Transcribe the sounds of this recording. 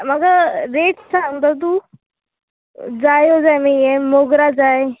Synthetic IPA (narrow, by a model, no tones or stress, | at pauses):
məɡəɾeʈsant̪ət̪̬u | d͡zajod͡zajməemoɡɾad͡zaj